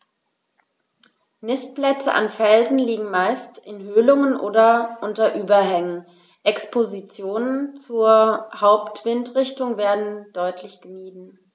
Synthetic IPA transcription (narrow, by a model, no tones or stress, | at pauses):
nɪst̚plɛt͡sə̰ʔa̰nfɛlzn̩liːɡŋ̩maɪstɪnɦøːlʊŋənʔoːdɐʔʊntɐʔyːbɐhɛŋən | ʔɛkspʰozit͡sjoːnənt͡suːɐhaʊptv̥ɪntʁɪçtʊŋveːɐdn̩d̥ɔʏtʰlɪçɡ̥əmiːdn̩